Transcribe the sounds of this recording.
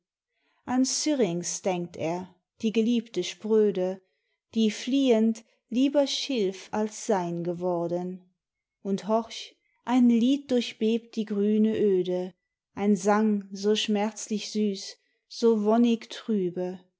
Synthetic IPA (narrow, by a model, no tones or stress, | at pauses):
ʔant͡syʁɪŋsd̥ɛŋk̚tʰeːɐ | d̥iːɡəliːptəʃpʁ̥øːdə | d̥iːfliːənt | liːbɐʃɪlfalsz̥aɪnɡəvɔɐdən | ʔʊnthɔʁç | ʔaɪnliːt̚d̥ʊɐçb̥eːpt̚d̥iːɡʁyːnəʔøːdə | ʔaɪnzaŋzoːʃmɛɐt͡slɪçz̥yːs | z̥oːvɔnɪktʁ̥yːbə